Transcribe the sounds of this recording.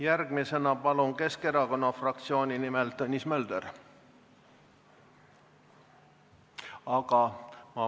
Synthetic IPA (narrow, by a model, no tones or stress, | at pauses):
jærɡ̥mise̞nɑpɑlunke̞ske̞ɾɑko̞nːɑfrɑk̚t̪sio̞ːnʲinimelt̪ːɤnʲismøld̪̥eɾ | ɑɡ̥ɑmɑ